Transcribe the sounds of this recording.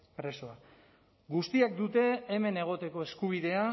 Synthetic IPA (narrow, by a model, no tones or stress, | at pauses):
pɾe̞so̞a | ɡust̪iakd̪ut̪e̞ːme̞ne̞ɣ̞o̞t̪e̞ko̞e̞skuβ̞iðe̞a